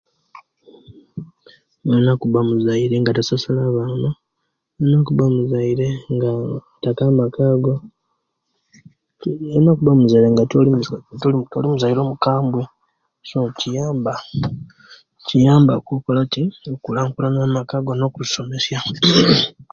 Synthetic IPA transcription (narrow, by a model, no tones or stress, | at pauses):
enakuβamuzaiɾe̞ŋɡatasasalaβaːno | enokuβamuzaiɾe̞ŋɡa | takamakaɡo̞ | enokuβamuzajɾeŋɡatolitolitolimuzaiɾo̞ːmukaːmbwe̞ | socijaːmba | cijaːmbakokolatiokulaːŋkulanamakaɡo̞no̞kuzso̞me̞sja